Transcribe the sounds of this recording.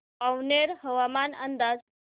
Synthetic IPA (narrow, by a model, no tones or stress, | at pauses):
awneɾhəʋamanənd̪ad͡z